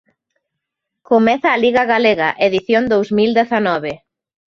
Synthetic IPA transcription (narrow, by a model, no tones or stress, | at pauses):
komɛθɐːliɣɐɣaleɣaʔeðiθjond̪owzmild̪eθanɔβe